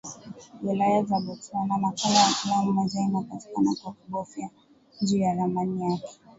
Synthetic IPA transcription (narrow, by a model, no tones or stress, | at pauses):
wɛlajazaɓɔtuanamakalajafilamumazainapati̥kanakwakuɠɔfja | nd͡ʒuːjaðamanijakɛ̥